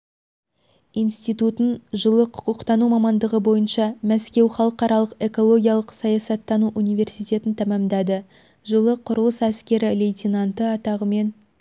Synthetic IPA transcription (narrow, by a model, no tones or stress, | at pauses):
ijnst̪it̪ut̪ənʒəlˠəqʰʊ̥qʊqt̪ɑnumɑmɑnd̪əʁəbo̞jənʃɑmæskʲe̞wχɑlˠəqɑɾɑlˠəqe̞ko̞lˠo̞ɡʲijɑlˠəqsɑjɑsɑt̪ːɑnuʔunijve̞rsijt̪e̞t̪ɪnt̪ʰæmæmd̪æd̪ɪ | ʒəlˠəqʰʊɾəlˠəsæskʲe̞ɾɪlejt̪ʲinant̪əɑt̪ɑʁəme̞n